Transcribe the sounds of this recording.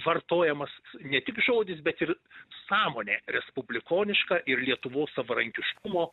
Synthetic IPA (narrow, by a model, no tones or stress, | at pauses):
ʋɐrt̪oːjɛmɐsnʲɛt̪ʲɪkʒoːdʲɪsbʲɛt̪ɪɾ | sɑːmoːnʲeːɾʲɛspʊbʲlʲɪkoːnʲɪʃkɑːʔɪɾlʲiɛt̪ʊʋoːssɐʋɐɾɐŋʲkʲɪʃkʊmoː